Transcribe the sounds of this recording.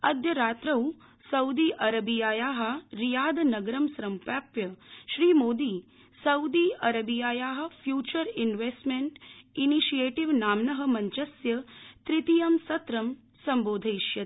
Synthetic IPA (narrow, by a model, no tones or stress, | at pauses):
ɐd̪jɐɾaːt̪ɾɐw | sɐwd̪iːʔɐɾɐbijaːjaːɦɐ̆ɾijaːd̪ɐnɐɡɾɐmsɾɐmpjaːpjɐʃɾiːmoːd̪iː | sɐwd̪iːɐɾɐbijaːjaːɦɐ̆fʰjuːt͡ʃɐɾinʋeːsʈmeɳʈiniʃijeːʈiʋnaːmnɐɦɐ̆mɐɲt͡ʃɐsjɐt̪ɾit̪ijɐmsɐt̪ɾɐm | sɐmboːd̪ʱɐjʃjɐ